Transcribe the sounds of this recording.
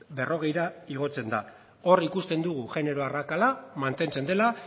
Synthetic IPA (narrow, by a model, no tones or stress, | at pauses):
be̞ro̞ɣe̞jɾaiɣ̞o̞t͡se̞nd̪a | o̞rikust̪e̞nd̪uɣ̞uʝe̞ne̞ɾo̞arakalamant̪e̞nt͡se̞nd̪e̞la